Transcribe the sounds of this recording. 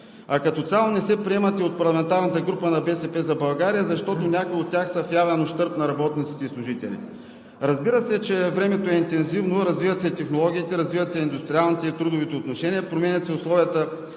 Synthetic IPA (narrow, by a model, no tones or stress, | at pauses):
ɐkɐt̪ɔt̪sʲalˠonɛsɛpɾiɛmɐt̪iot̪̚pɐɾlˠɐmɛnt̪aɾnət̪əɡɾupənɐbɛsɛpɛzɐbɐlˠɡaɾijəzɐʃt̪ɔt̪onʲakʊjiot̪̚ːʲjaxsɐfjavɛnoʃt̪ɤɾt̪nɐɾɐbɔt̪nit̪si̥t̪ɛislˠʊʒit̪ɛ̰lʲḭt̪ | ɾɐzbiɾəsɛt͡ʃɛvɾɛmɛt̪oɛint̪ɛnzivnoɾɐzvivɐt̪sɛt̪ɛxnolˠɔɡ̟ʲiːt̪ɛɾɐzvivɐt̪sɛind̪ʊst̪ɾʲialˠnit̪ɛit̪ɾud̪ʊvit̪ɛot̪noʃɛniəpɾomɛnʲɐt̪sɛʊslˠɔviət̪ə